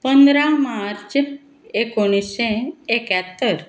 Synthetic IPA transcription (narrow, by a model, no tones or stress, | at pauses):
pənd̪ɾamaɾt͡ɕ | ekoɽ̃isɕẽekjat̪ːəɾ